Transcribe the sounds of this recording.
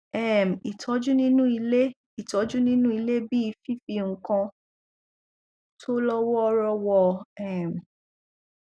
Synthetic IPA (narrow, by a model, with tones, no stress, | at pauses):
ɛ˦˨m̩˨i˨tʰɔ˨˦d͡ʒu˦nĩ˦nũ˦i˧le˦ | i˨tɔ˨˦d͡ʒu˦nĩ˦nũ˦i˧le˦bi˦i˧fi˦fi˧ŋ̩˦kã˧ | tʰo˦lɔ˦wɔ˦ɔ˦ɾɔ˦wɔ˦ɛ˨m˨